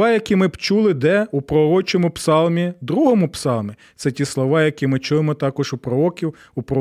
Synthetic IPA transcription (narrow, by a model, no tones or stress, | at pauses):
ɑjɐkʲimɪpt͡ʃulˠɪd̪ɛupɾɔɾɔt͡ʃɔmʊpsɑlˠmʲid̪ɾuɦɔmʊpsɑlˠmʲi | t̪sɛtʲislˠɔʋɑjɐkʲimɪt͡ʃuʋemɔt̪ɑkɔʒupɾɔɔkʲiw | upɾɔ